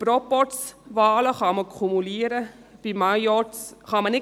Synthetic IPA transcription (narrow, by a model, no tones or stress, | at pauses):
pɾɔpɔsʋɑːləχɑməkʰumuliəɾə | b̥imajjɔt͡sχɑmənɪ